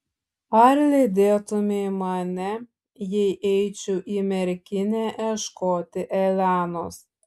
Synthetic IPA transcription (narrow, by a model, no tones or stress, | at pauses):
ɐɾlʲɪd̪ʲeːt̪ʊmʲemɐnʲɛ | jɛɪʔɛɪt͡ʃʲuʔiːmʲɛɾʲkʲɪnʲeːʔɛʃkoːt̪ʲɪʔɛlʲæːnoːs